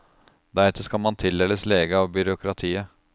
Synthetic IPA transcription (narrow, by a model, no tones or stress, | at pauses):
d̪æɾɛt̪ʰːəʂkɑlmɑnt̪ʰɪld̪ɛləsleːɡəɑʋbʏɾʊkʰɾɑt̪ʰiːə